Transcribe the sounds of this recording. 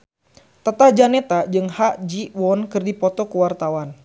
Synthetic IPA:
t̪ət̪ahd͡ʒanɛt̪ad͡ʒɨŋhaʔd͡ʒiwɔnkɨrdipɔt̪ɔkuwart̪awan

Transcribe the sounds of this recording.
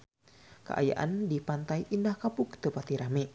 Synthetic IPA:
kə̰ʔa̰ja̰ʔa̰ndipant̪aiʔindahkapukt̪əpat̪iɾame

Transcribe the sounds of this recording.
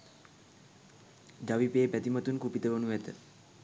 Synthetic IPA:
d͡ʒaʋipeːepæt̪imət̪unkupit̪əʋonuɛt̪ə̰

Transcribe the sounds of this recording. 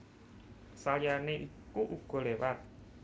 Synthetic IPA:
saljarneʔikuʔuɡ̥ɔ̤lewat̪̚

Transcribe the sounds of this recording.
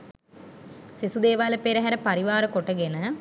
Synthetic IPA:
sisud̪eːʋaːləpeɾəɦɛɾəpaɾiʋaːɾəkoʈəɡenə

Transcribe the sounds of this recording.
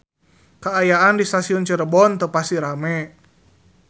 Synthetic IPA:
kaːjaʔandist̪asiɔnt͡ʃəɾəbɔnt̪əpasiɾamɛ

